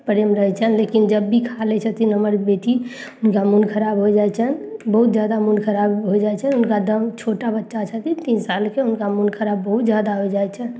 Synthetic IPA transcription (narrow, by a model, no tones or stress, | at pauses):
pəɾemɾəɦɛt͡ʃʰənlekind͡ʒəbːikʰalɛt͡ʃʰət̪inəməɾbeʈi | ʊnkamunkʰəɾabɦojd͡ʒajt͡ʃʰənbəɦut̪d͡ʒjad̪amunkʰəɾabɦod͡ʒajt͡ʃʰəʊnkad̪əmt͡ʃʰoʈabətːʃat͡ʃʰət̪it̪insalkeʊnkamunkʰəɾabːəɦut̪d͡ʒjad̪aɦojd͡ʒajt͡ʃʰən